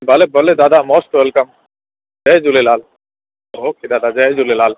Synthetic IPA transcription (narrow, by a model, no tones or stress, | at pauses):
bɐlebəled̪aːd̪amɔːst̪ʋelkɐm | d͡ʒɐjd͡ʒulelaːl | ɦokid̪aːd̪ad͡ʒɐjd͡ʒulelaːl